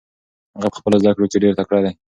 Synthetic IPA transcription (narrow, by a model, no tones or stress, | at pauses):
haɣapə̥xpəlazd̪akɽokeɖeɾt̪akɽad̪a